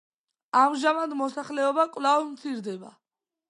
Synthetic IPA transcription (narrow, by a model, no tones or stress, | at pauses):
amʒamad̪mɔsaχlɛɔbakʼwlavmt̪sʰiɾd̪ɛba̰